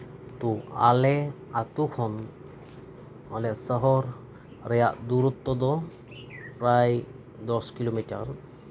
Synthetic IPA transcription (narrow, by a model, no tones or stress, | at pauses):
t̪ua̰leat̪ukʰɔn | ɦɔlesəɦɔɾ | ɾejaʔd̪uɾut̪ːɔd̪ɔ | pɾaj | d̪ɔskilomiʈa̰ɾ